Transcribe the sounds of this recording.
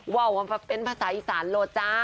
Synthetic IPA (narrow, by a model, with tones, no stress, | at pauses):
wa˧˩wa˧pa˧˩pe˧˨npʰaː˧saː˨˦ʔiː˧saː˩˦nloː˧˩t̪̚t͡ɕaː˦˥